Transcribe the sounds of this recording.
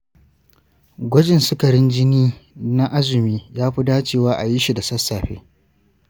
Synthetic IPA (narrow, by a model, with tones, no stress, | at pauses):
ɡʷɔ˦d͡ʒɪ˨nsʊ˦kɐ˨ɽɪ˦nd͡ʒɪ˦niː˦na˦ʔa˦zɪ˨miː˦jaː˦ɸi˦daː˦t͡ʃeː˦˨waː˦ʔa˨ji˦ʃi˨da˨sɐ˦sːaː˨ɸḛː˦